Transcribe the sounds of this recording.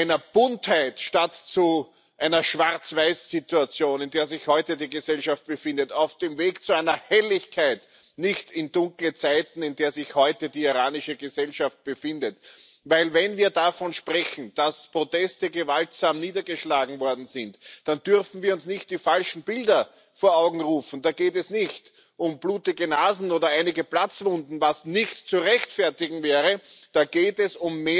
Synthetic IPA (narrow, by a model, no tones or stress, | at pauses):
ɪnɐb̥ʊnthaɪtʃtatt͡su | ʔaɪnɐʃv̥aʁt͡sv̥aɪsːituat͡sjoːnɪndeːɐzɪçhɔʏtədiːɡəzɛlʃaft̚b̥əfɪndətaʊfd̥eːmveːkt͡suæɪnɐhɛlɪçkʰaɪt | nɪçtɪndʊ̃ŋklət͡saɪtn̩ɪndeːɐzɪçhɔʏtədiːiʁaːnɪʃəɡəzɛlʃaft̚b̥əfɪndətvæɪlvɛnviːɐdafɔnʃpʁɛçn̩d̥aspʁ̥otɛstəɡəvaltsaːmniːdɐɡəʃlaːɡŋ̩vɔɐdn̩zɪntd̥andʏɐfn̩viːɐʊnsnɪçt̚d̥iːfalʃn̩bɪldɐ | foːɐaʊɡŋ̩ʁuːfn̩d̥aːɡeːt̬ɛsnɪçt | ʔʊmb̥luːtɪɡənaːzn̩oːdɐaɪnɪɡəplat͡sv̥ʊndn̩vasnɪçtt͡suʁɛçtfɛɐtɪɡŋ̩vɛːʁəd̥aːɡ̥eːtɛsʊmːeː